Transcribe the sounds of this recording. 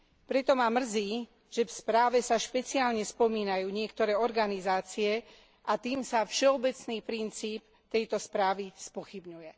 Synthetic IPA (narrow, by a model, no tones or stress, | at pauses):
pɾɛt̪ɔmamr̩ziː | ʒ̥ɛfspɾaːʋɛsaʃpɛt͡siaːlɲɛspɔmiːnajuːɲɪɛkt̪ɔɾɛːɔɾɡanizaːt͡siɛ | ʔat̪iːmsafʃɛɔbɛt͡sniːpɾint͡siːp | t̪ɛjt̪ɔspɾaːʋispɔxibɲujɛ